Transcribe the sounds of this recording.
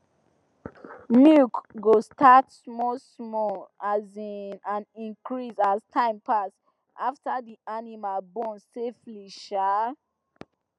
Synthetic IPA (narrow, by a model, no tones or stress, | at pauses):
mukɡostʰat | mɔsmɔazinãnĩŋkɹisaztʰãɪ̃mpʰas | aftadiʔanimalbɔ̃nsefliʃa